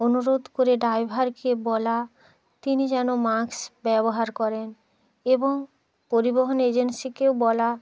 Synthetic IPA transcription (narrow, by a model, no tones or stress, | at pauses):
onuɾod̪ʱkoɾeɖajbʱaɾkebɔla | t̪inid͡ʑɛnomaksbɛboɦaɾkɔɾen | eboŋ | poɾiboɦoned͡ʑensikewbɔla